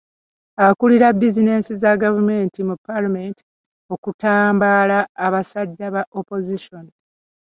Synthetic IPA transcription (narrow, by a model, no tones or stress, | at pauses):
akuliɾabːizine̞sizaɡavume̞ːntimupːalameːnti̥ | o̞kutaːmbalaːβasadːaβaʔopo̞ziʃoni